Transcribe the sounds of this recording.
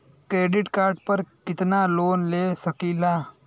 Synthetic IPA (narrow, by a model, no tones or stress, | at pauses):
kɾeɖiʈkaɾɖpəɾkit̪nalonlesəkila